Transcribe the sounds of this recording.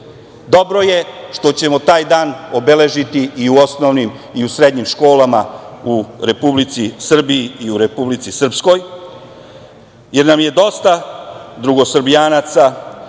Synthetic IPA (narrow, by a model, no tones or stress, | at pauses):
d̪o̞bɾo̞je̞ʃt̪o̞t͡ɕe̞mo̞t̪aːjd̪aːno̞bele̞ʒit̪iiuo̞snoʋnimiusɾe̞d̪ɲimʃko̞ːlamauɾe̞publit̪sisr̩biiiuɾe̞publit̪sisr̩psko̞j | je̞ɾnamje̞d̪o̞st̪ad̪ɾuɡo̞sr̩bijaːnat̪sa